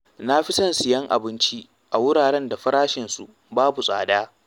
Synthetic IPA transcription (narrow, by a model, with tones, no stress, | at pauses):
na˦ɸi˦sɐ˦˨nsɪ˨jɐ˦ŋʔa̰˨bɪ˦nt͡ʃi˦ | ʔa˨wʊ˦ɽaː˨ɽɛ˦nda˨ɸɐ˦ɾaː˦ʃɪ˨nsṵ˨ʔ | baː˦bu˨sʼa̰ː˨daː˦